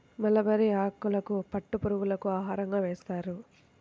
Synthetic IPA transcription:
mɐlɐbɐɾiaːkːulɐkupɐʈːupuɾuɡulɐkuaːɦaːɾɐŋɡaːʋɛːst̪aːɾu

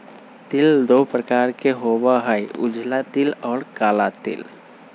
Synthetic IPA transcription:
t̪ɪld̪opɾəkaːɾkeɦoːbaɦəjʊ̰d͡ʒʱlat̪ɪlɔːɾkaːlat̪ɪ̰l

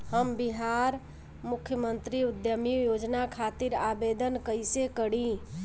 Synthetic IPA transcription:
həmbiɦaɾ | mukʰjəmənt̪ɾiud̪jəmijod͡ʒnakʰat̪iɾabed̪ənkəjsekəɽĩ

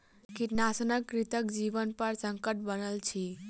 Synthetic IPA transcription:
kiʈ̪nasnəkːɾit̪əkd͡ʒiʋənpəɾsəŋkəʈ̚bənəlt͡ʃʰi

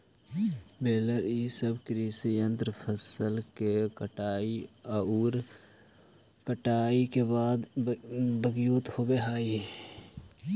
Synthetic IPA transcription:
beːləɾiːsəbkɾiːsijə̃nt̪ɾəpʰəsəlkekəʈaːiuːɾ | kəʈaːikebaːd̪ | bəɡjoːt̪hoːbeɦaːi

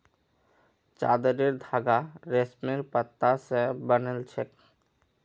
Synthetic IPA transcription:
t͡ʃa̰d̪əɾeɾd̪ʱaːɡaɾesmeɾpət̪ːasebənelt͡ʃʰek

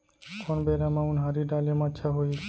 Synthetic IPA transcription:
koːnbeːɾamãːʊnɦaɾiːɖaːlemãətːʃʰaɦoi

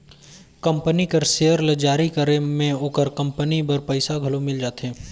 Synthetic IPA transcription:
kɐ̃mpənikəɾsejəɾləd͡ʒaːɾikəɾemẽoːkəɾkɐ̃mpənibɐɾpɐɪsaɡʱɐlomɪld͡ʒaːt̪eɦɛ̃ː

